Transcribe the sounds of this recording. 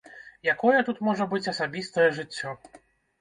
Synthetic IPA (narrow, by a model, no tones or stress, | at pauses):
jakɔjɛt̪ut̪mɔʐɐbɨt͡sʲɐsabʲist̪ɐjɛʐɨt͡sʲːɔ